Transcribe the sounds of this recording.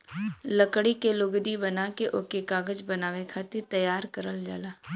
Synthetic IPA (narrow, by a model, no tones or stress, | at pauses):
lɐkɽikelʊɡd̪ibɐnaːkeʔokekaːɡəd͡ʒbɐnaːʋekʰaːt̪ɪɾt̪ɐjaːɾkəɾəld͡ʒa̰ːlaː